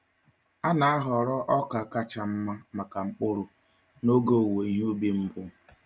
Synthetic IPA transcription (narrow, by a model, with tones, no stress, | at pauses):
a˦na˨a˦ɦɔ˨ɾɔ˦ʔɔ˦ka˨ka˨t͡ʃa˨m̩˦ma˦ma˨ka˨ŋ͡m̩˦k͡pʊ˦ɾʊ˨ | no˦ɡo˦˨we˨i˦ɦu˦bi˦m̩˦bʊ˦